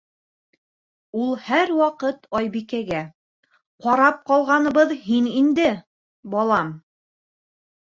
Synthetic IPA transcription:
ulˠhæɾwɑqɤt̪ɑjβikæɡæ | qɑɾɑp̚qɑlˠʁɑnɤ̆βɤðhinind̪ɘ | bɑlˠɑm

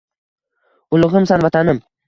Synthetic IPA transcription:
ʊlˠʊʁɨmsanvat̪ʰanɪm

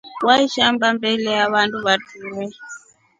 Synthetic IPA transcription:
waiʃambambɛlɛaβantʼuβatʰuːrɛ

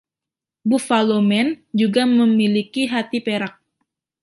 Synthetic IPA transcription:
bufalomɛnd͡ʒuɡaməmilikiɦat̪ipeɾak̚

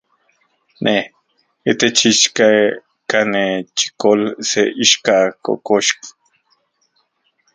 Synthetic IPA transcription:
nʔe | it̪et͡ʃiʃka | kanet͡ʃi̥kolseʔiʃkako̰koʃk

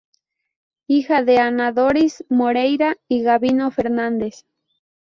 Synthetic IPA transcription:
ixaðeanaðoɾismoɾejɾaiɣaβinofe̞ɾnãnd̪e̞s

